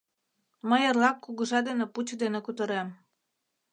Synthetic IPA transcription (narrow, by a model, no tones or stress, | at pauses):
məjərlɑkːuɣə̆ʒɑd̪eneput͡ɕd̪enekut̪əɾem